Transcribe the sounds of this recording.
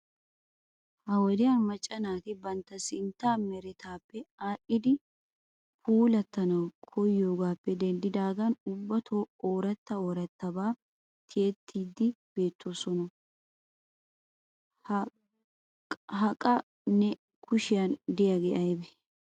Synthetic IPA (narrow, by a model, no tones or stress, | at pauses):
hɐwɔd̪ɪjɐnmɐt͡ʃʼːɐnaːt̪ɪbɐnt̪ːɐsɪnt̪ːaːmɛɾɛt̪aːpːɛaːʔɪd̪ɪ | pʰuːlɐt̪ːɐnɐwkʰɔjːo̞ːɡaːpːɛd̪ɛnd̪ɪd̪aːɡɐnʊbːɐt̪ʰoːoːɾɐt̪ːɐoːɾɐt̪ːɐbaː | t̪ʰɪjɛt̪ʰːiːd̪ːɪb̥e̞ːt̪ʰːoːsɔnɔ | ɦɐkʼɐ | nɛ | kʰʊʃɪjɐnd̪ɪjɐɡɛʔɐjbɛ